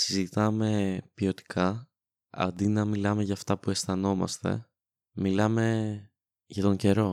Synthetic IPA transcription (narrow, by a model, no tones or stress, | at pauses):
sizit̪ɐme̞pio̞t̪i̥kʰɐ | ɐ̰nd̪inɐmilɐme̞ʝɐːft̪ɐpue̞st̪ɐno̞mɐ̰st̪e̞̰ | milɐme̞ | ʝɐt̪o̞ɲɟe̞ɾo̞